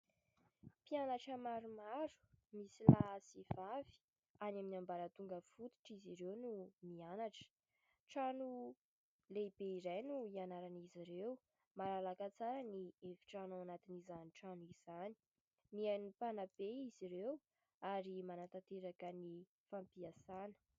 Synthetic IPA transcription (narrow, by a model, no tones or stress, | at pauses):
pianaʈ͡ʂəmaɾumaɾu̥misilasivavi̥ | anaminambaɾət̪uŋɡəfut̪u̥ʈ͡ʂiziɾewnumianaʈ͡ʂə̥ | ʈ͡ʂanu | lebeiɾajnuianaɾaniziɾew | maɾalakat͡saɾaniefi̥ʈ͡ʂanaanat̪inizaniʈ͡ʂanuiz̥ani̥ | miajnipanabeiziɾew | aɾimanat̪at̪eɾakəni | fampiasanə̥